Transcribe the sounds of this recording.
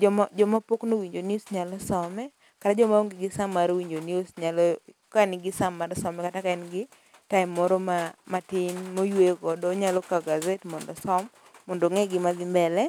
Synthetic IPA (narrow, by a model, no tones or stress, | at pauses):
d͡ʒɔmd͡ʒɔmapoknowiɲd͡ʒoniosɲalɔsɔmɛ | katad͡ʒɔmaoŋɡɪɡɪsamːaɾwiɲd͡ʒoniosɲalɔ | kanɪɡɪsamːaɾsɔmɛkatakaɛnɡɪ | taɪmːɔɾɔmamatɪnmojwekɔdɔɲalɔkaɡazetmɔndɔsɔmː | ɔndoŋɛɡɪmadɪmbɛlɛ